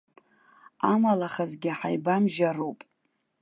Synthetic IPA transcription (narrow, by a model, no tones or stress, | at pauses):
amalaχazɡʲɪaħajbamʒaɾowpʼ